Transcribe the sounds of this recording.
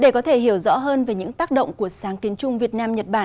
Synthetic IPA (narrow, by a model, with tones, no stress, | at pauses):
ɗe˧˩kɔ˨˦t̪ʰe˧˩hi˧˩əwzɔ̰˧˥ɦəː˧nve˨˩ɲɨ̰˧˥ŋt̪aː˦˥k̚ɗə̰˧˨wŋ͡mku˧˩əsaː˨˦ŋk̪i˨˦ŋt͡ɕʊ˧ŋ͡mvi˨˩ət̚naː˧mɲə˨˩t̚ɓaː˧˩